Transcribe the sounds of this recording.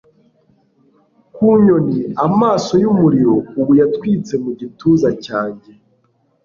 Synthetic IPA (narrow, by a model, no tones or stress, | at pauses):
kuɲo̞niamaːso̞jumuɾiɾo̞uβujatwiːt͡se̞muɟituːzacaːɲɟe